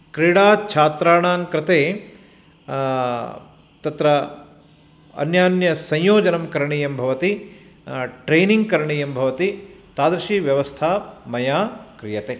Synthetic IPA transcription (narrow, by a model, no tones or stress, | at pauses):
kɾiɽaːt͡ʃʰaːt̪ɾaːɳaːŋkɾɪt̪eː | t̪ɐt̪ɾɐ | ɐ̰njaːnjɐsɐ̃jjoːd͡ʒɐnɐmkɐɾɐɳiːjɐmbʱɐʋɐt̪i | ʈɾeːniŋɡ̚kɐɾɐɳiːjɐmbʱɐʋɐt̪it̪aːd̪ɾɐʃiːʋjɐʋɐst̪ʰaːmɐjaːkɾijɐt̪eː